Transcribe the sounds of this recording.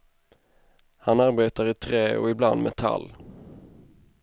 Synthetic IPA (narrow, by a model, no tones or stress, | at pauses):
hanaɾbeːt̪aɾɪt̪ʰɾeːɔ̰ɪbland̪mʔɛt̪ʰa̰lː